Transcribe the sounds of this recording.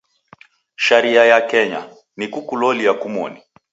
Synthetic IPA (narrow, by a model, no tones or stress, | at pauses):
ʃaɾiajakɛɲa̰ | nikukulɔliakumɔ̰ni